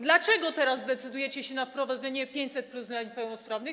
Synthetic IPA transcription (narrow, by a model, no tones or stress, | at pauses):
d̪lat͡ʂɛɡɔt̪ɛɾazːd̪ɛt̪sɘd̪ujɛt͡ɕɛɕɛnafpɾɔvad̪zɛɲɛpʲjeɲt͡ɕʲsɛt̪̚pluslapɛwnɔspɾavnɨ